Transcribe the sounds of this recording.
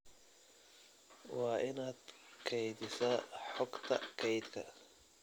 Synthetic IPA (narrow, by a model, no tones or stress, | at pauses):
wɑːʔɪnaːd̪̥kʰɛjðɪsɐħɔɡt̪ʰɐ̰kʰɛjd̪kʰɐ̰